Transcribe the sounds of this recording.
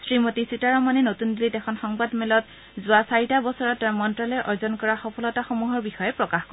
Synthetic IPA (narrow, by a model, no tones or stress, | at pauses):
sɹimotisitaɹɔmanɛnotundilitɛkʰɔnxɔŋbadmɛlɔt | zʊasaɹitabɔsɔɹɔtːaɹmɔntɹalɛʔɔɹzɔnkɔɹaxɔpʰɔlɔtaxomuɦɔɹbixɔjɛpɹɔkaxkɔ